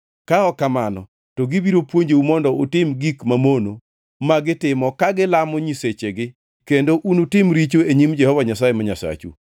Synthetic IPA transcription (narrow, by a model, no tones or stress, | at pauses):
kaɔkamanɔ̰ | tɔɡɪbiɾopwoɲd͡ʒeumɔndɔotɪmɡikmamono | maɡɪtɪmɔkaɡɪlamɔɲiset͡ʃeɡɪ | kendoʔunutɪmɾit͡ʃoeɲimd͡ʒɛhɔvaɲasajemaɲasa̰t͡ʃṵ